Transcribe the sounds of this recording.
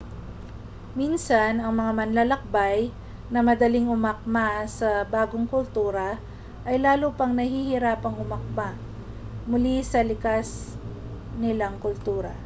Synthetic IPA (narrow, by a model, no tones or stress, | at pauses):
minsɐnɐŋmɐŋamɐnlalɐk̚baj | nɐmɐd̪ɐliŋʊmɐk̚masɐbaːɡoŋkʊlt̪uːɾɐ | ʔɐjlaːlopɐŋnɐhihɪɾaːpɐŋʔʊmɐk̚ma | mʊlisɐlɪkas | nɪlaŋkʊlt̪uːɾɐ̰